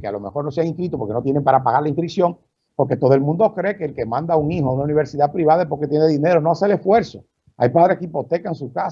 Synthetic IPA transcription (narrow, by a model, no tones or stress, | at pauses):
kea̰lo̞mexo̞ɾno̞seaŋĩnt̪wit̪opoke̞no̞t̪je̞nempaɾapaɣaɾlaiɱfɾiksjo̞ŋ | po̞ɾke̞t̪o̞ðoelmũnd̪okɾe̞keːlkemãnd̪auŋihoaunauniβ̞e̞ɾsiðapɾiβaðaepo̞ɾket̪jeneðine̞ɾonoaselesfwe̞ɾso̞ | a̰jpaðɾehkipo̞t̪e̞kaeŋsuhka